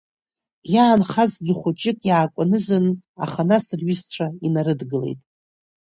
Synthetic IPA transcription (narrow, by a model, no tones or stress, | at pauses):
jaːnχazɡʲɪχʷʊt͡ʃʼɪkʼjaːkʷʼanɨzɨna̰χanasrɥist͡ɕʷʰainaɾɨdɡɨlḛjtʼ